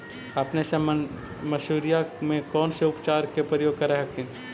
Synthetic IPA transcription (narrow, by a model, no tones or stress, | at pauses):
ɐpnesem | mɐʃuːɾijamẽkɔːnseʊpt͡ʃaːɾkepɾəjoːɡ̚kɐɾeɦɐkʰĩn